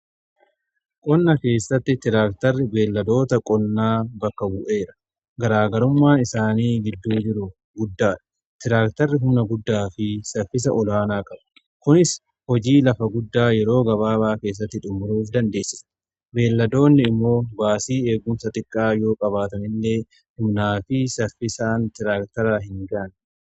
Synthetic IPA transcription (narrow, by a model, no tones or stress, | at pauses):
kʼɔnːɐke̞ːsːɐt̪ːɪt̪ɪɾaːk̚t̪ɐrːɪbe̞ːlːɐd̪o̞ːt̪ɐkʼɔnːaːbɐkːɐbʊʔe̞ːɾɐ̥ | ɡɐɾaːɡɐɾʊmːaːnɪsaːniːɡɪd̪ːuːd͡ʒɪɾʊ | ɡʊd̪ːaːᶑɐ̥ | t̪ɪɾaːkt̪ɐrːɪɦʊmnɐɡʊd̪ːaːfɪsɐfɪs̬ɐʔɔlaːnaːkʼɐbɐ̥ | kʊnɪs | hɔd͡ʒiːlɐfɐɡʊd̪ːaːjɛɾo̞ːɡɐβaːbaːke̞ːs̬ːɐt̪ːɪᶑ̪ʼʊmːʊɾuːfd̪ɐnd̪e̞ːsːɪ̥s | be̞ːlːɐd̪o̞ːnːɪɪmːo̞ːbaːsiːe̞ːɡʊmsɐt̪ʼɪkʼːaːjo̞ːkʼɐβaːt̪ɐmɪlːe̞ː | hʊmnaːfɪsɐfɪsaːnt̪ɪɾaːkt̪ɐɾaɦɪŋɡɐʔn